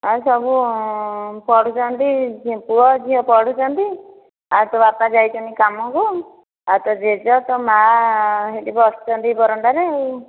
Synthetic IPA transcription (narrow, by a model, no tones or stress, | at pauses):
asɔbu | pɔɽut͡ʃʰɔnt̪ipuɽɔd͡ʒiɦɔpɔɽ̤ut͡ʃɔnt̪i | at̪ɔapnad͡ʒajt͡ʃɔnikamɔku | at̪ɔd͡ʒed͡ʒɔt̪ɔmaɦeʈibɔsɔ̥t͡ʃɔnt̪ibɔɾɔɳɖaɾe